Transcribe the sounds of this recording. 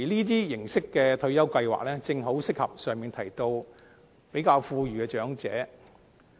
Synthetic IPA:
liː˥t̪̬iː˥jɪ˨˩ŋsɪ˥kːɛː˧t̪ʰɵ˧ɥjɐ˥wkɐ˧jwa̰ː˨k̚lɛː˥t͡sɪ˧ŋɦo˨˥wsɪ˥k̚hɐ̰˨p̚sœː˨ŋmiː˨˧nt̪ʰɐ˨˩jt̪o˧w | pe˨˥jkaː˧wfuː˧ɥyː˨˩kɛː˧t͡ʃœː˨˥ŋt͡sɛ̰ː˨˥

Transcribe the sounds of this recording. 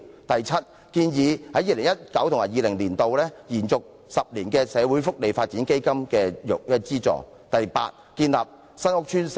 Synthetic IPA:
t̪ɐ˨jt͡sʰɐ˥t̚ | kiː˧njiː˨˧hɐ˨˥jiː˨˧lɪ˨˩ŋjɐ˥t̚kɐ˨˥wt̪ʰʊ˨˩ŋmaː˨˩jiː˨˧lɪ˨˩ŋliː˨˩nt̪o˨wlɛː˥jiː˨˩nt͡sʊ˨k̚ | sɐ˨p̚liː˨˩nkɛː˧sɛː˨˧wu˨˥jfʊ˥k̚le˨jfaː˧t̚t͡siː˨˥nke˥jkɐ˥mkɛː˧jʊ̰˨k̚jɐ˥t͡siː˥t͡sɔ̰ː˨˩ | t̪ɐ˨jpa̰ː˧t̚kiː˧nlaː˨p̚ | sɐ˥nʊ˥k̚t͡ʃʰyː˥ns

